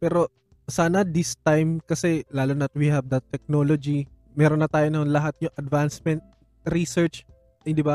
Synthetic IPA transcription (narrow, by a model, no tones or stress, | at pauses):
pɛːɾo̞ | saːnɐd̪ɪst̪ajmkɐsɛlaːlonɐt̪̚wihɐvd̪ɐt̪ːɛk̚nolod͡ʒi | mɛːɾonːɐt̪aːjonɐonlɐɦat̪̚ɲʊŋʔɐd̪vansmɛnt̪̚ | ɾisɛɹt͡ʃ | d̪ɪba